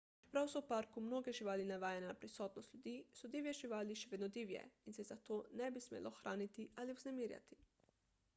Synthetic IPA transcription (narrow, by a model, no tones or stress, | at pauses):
pɾawsɔwpaɾkumnoːɡɛʒiʋaːlinaʋaːjɛnɛapɾisɔːt̪nɔst̪lʎjud̪iːsɔd̪iwjɛʒiʋaːliʃɛʋeːd̪nɔd̪iːwjɛ̰insɛzat̪oːnɛbismḛːlɔxɾʔaːnit̪iʔaliuwznɛmiːɾja̰t̪i̥